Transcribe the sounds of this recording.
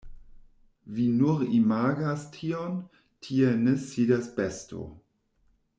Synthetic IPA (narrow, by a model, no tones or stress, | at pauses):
vinuɾimaːɡastʰion | tʰienesiːdasbesto̰